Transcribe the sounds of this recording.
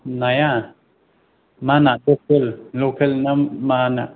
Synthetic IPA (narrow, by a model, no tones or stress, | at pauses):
naja | manaʔlok̚ellokʰalnamanaʔ